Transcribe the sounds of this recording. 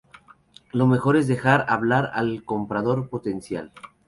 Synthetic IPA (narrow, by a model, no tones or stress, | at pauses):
lo̞me̞xo̞ɾe̞zðe̞xaɾaβlaɾa̰lko̞mpɾað̞o̞ɾpo̞t̪e̞nsja̰l